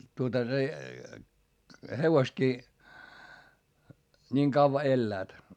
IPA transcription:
tuotɑ se heʋostkiː niːŋ kɑʋːɑ elːæːt

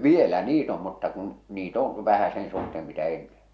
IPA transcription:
ʋielæ niːt om mutːɑ kun̞ niːt õː ʋæhæ sen suhteːm mitæ enːen̞

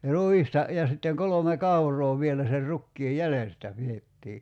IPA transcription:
ruistɑ jɑ sitːeŋ kolome kɑurˑoː ʋielæ ser rukːiː jælestæ pietːiː

